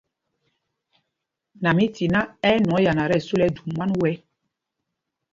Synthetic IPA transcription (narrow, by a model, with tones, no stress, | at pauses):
na˨mi˦ti˨na˦ɛ˦nɔ̃˨˦ja˨na˨ɾɛ˦˨su˦lɛ˦du˨ma˦nwɛ˦